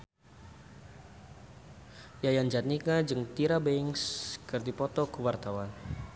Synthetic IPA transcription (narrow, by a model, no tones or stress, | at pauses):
jajand͡ʒat̪̚nikad͡ʒɨŋt̪iɾabɛŋskɨrd̪ipɔt̪ɔkuwart̪awan